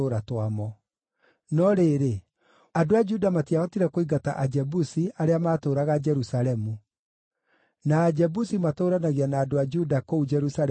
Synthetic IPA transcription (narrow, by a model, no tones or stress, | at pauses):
oɾatwamɔ | nɔɾeɾe | adoad͡ʒudamatiaɔtiɾɛkoiɡata̰ʔad͡ʒɛbusiaɾeamaːtoːɾaɣad͡ʒɛɾusaɾɛmu | naːd͡ʒɛbusimatoːɾanaɣianaːdoad͡ʒudakoud͡ʒɛɾusaɾɛ